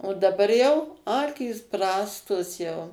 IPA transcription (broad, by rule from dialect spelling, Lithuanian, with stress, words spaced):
oː dɐˈbɐr jɛʊ ˈɑːkʲiːs ˈprɑːstoːs jɛʊ